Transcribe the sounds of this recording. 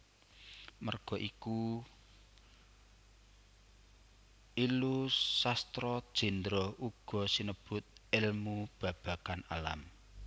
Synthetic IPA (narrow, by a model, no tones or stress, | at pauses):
mərɡ̥ɔ̤ʔiku | ilusast̪ɾɔd̥ʒ̥i̤nd̪ɾɔuɡ̥ɔ̤sinəb̥ʊt̪̚ɪlmub̥ä̤b̥a̤kanalam